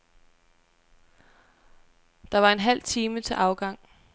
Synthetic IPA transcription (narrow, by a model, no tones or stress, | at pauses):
d̥ɑ̈ʋɑ̈e̝nɦæl̰t͡sʰiːmət͡sʰe̝ʔɑ̈ʊɡ̥ɑ̈ŋ̰